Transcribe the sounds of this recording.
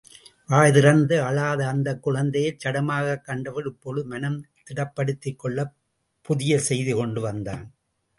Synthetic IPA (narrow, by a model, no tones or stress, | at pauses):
ʋaːjðɪɾɐnd̪ɯɐlaːðɐːnd̪ɐkːʊɻɐnd̪ɐjɐɪt͡ʃːɐɽɐmaːɣɐkːɐɳɖɐʋɐɾɯpːoːlɯmɐnɐmt̪ɪɽɐpːɐɽɯt̪ːɪkːɔɭːɐ | pʊðɪjɐsɛjðikɔɳɖɯʋɐnd̪aːn